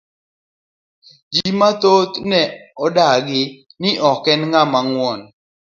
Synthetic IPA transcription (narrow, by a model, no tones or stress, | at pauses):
d͡ʒimat̪ot̪nɛɔdaɡɪ | nɪʔɔkːɛnŋamaŋwɔn